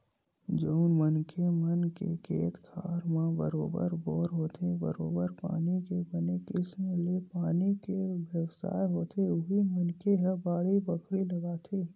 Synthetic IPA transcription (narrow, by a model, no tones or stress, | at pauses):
d͡ʒoːʊnmənkemənkḛkʰeːt̪kʰa̰ːɾmãbə̰ɾoːbə̰ɾbɔːɾɦoːt̪ʰebə̰ɾo̰ːbəɾpa̰ːnikebənekɪsmelepaːnikeʋjəwsa̰ːjɦoːt̪ʰeʊɦimənkeɦɛbaːɽibəkʰɾilɐɡaːt̪ʰeː